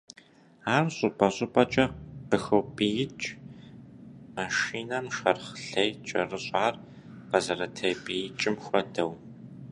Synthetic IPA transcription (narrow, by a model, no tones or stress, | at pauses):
aːrɕʼʊbɐɕʼʊpʼɐt͡ʃʼɐqəxowpʼijɪt͡ʃʼ | maʃiːnɐmʃɐrχɬejt͡ʃʼɐ̰rɨɕʼaːr | qɐzɐɾɐtʰɐjpʼijɪt͡ʃʼɪmxʷɔdɐw